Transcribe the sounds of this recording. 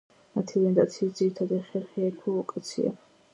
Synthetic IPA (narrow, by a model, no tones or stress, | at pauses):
mat̪ʰivɛnd̪at̪sʰiːd̪ziɾit̪ʰad̪ɛχɛɾχiakʰuɔkʼat̪sʰḭa̰